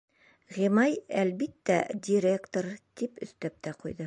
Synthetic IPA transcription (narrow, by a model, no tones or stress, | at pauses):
ʁimɑjælbit̪ːæ̰dʲɪɾʲekt̪ort̪ipɵ̆θt̪æp̚t̪æqujd̪ɤ